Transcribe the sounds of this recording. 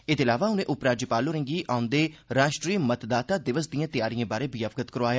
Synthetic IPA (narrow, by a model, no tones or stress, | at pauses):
ɪd̪eːɪlaːʋaːʊnẽːʔʊpɾaːd͡ʒəpaːloːɾə̃ŋɡiːʔaːʊ̃nd̪eːɾaːʃʈɾiːmət̪d̪aːt̪aːd̪ɪʋəsd̪ijãːt̪ɪjaːɾijãːbaːɾeːbiaʋəɡət̪kəɾʋaːjaː